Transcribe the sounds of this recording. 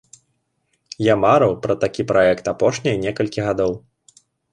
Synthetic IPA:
jamaɾɐwpɾɐt̪akʲipɾaɛkt̪apɔʂnʲijnʲɛkɐlʲkʲiɣad̪ɔw

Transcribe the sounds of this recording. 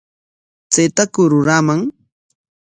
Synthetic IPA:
t͡sejt̪akʊɾʊɾamaŋ

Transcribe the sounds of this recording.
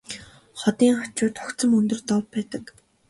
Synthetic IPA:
χɔt̪iːŋχat͡ɕʊːt̪χʊkt͡sə̆mɵnt̪ɵ̆rt̪ɔwpːæːt̪ə̆k

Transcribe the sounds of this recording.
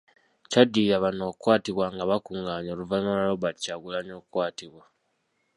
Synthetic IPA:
cadːijaβano̞ːkwaːtiβwaŋɡaβakuːŋɡaːɲo̞ːluvanolaloβacaɡulaɲokkwaːtiβwa

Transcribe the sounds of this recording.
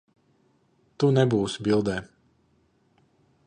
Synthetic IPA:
t̪unɛbuːsbilˠd̪ɛː

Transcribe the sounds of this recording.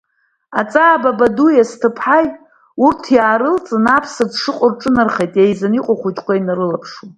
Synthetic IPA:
at͡sʼaːbabadujastʰɨpʰħajtʼ | urtʰjaːɾɨlt͡sʼɨnapʰsɨdʂɨqʼʊrʈ͡ʂʼɨnarχejtʼejzaniqʷʼaχʷujtʰʼkʷʰajnaɾɨlapʰʂu

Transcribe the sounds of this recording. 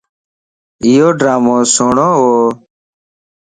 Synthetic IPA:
ɪjoːɖɾaːmõːsoːɳõːɦoː

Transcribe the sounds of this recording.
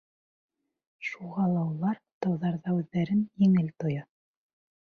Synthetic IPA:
ʃuʁɑlˠɑulˠɑɾt̪ɑwðɑɾðɑʉðːæɾɘnjɘ̆ŋɘlt̪ŏjɑ

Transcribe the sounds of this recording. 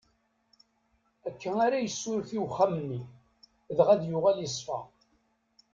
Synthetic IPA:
ækːænaɾæjəsːʊɾθiwχammːi | ðʁæðjʊʁælisˤfæ̰

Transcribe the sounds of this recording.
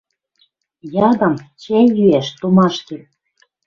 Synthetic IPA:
jɑd̪ɤ̆mt͡ɕænjyæʃt̪omɑʃt̪en

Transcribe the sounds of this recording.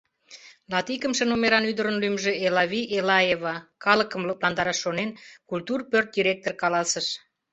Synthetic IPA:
lɑt̪ikəmʃənomeɾɑnyd̪əɾənlymʒeelɑβʲiʔelɑjevɑkɑləkəmləplɑnd̪ɑɾɑʃːonenkult̪urpørt̪̚d̪ʲiɾʲek̚t̪orkɑlɑsəʃ

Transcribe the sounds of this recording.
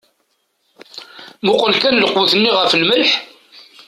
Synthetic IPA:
mʊqəlkænləqwuθənːiʁəfəlməlħ

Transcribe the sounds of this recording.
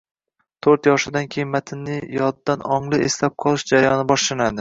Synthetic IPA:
t̪ʰoɾt̪jɒʃɪd̪ankʲʰejɪnmat̪ʰɪnːɪjɒd̪̚d̪anɒɴlˠɪʔeslap̚qʰɒlˠɪʃd͡ʒaɾajɒnɪbɒʃlanad̪ɪ

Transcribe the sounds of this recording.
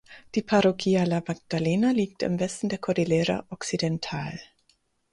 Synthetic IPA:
d̥iːpʰaʁoɡiːalamaɡ̚d̥aleːnaliːk̚tɪ̰mvɛstn̩deːɐkʰɔʁilɛːʁa̰ʔɔksidɛntʰaːl

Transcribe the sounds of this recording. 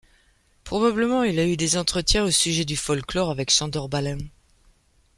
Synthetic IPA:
pχɔbabləmɑ̃ilayd̪ezɑ̃t̪χət̪jɛ̃osyʒɛd̪yfɔlklɔʁavɛkʃɑ̃d̪ɔʁbalɛ̃

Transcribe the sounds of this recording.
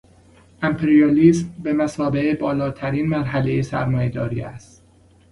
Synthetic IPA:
ʔæmpʰeɾijɒːliːsmbemæsɒːbeebɒːlɒːt̪ʰæɾiːnmæɾɦælejesæ̰ɾmɒːje̞d̪ɒːɾḭːæ̰st̪

